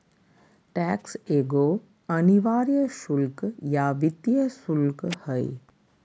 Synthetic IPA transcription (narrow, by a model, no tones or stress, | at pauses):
ʈɛkseːɡo | əniʋaːɾjəʃʊlkjaʋɪt̪jəsulkhəḭ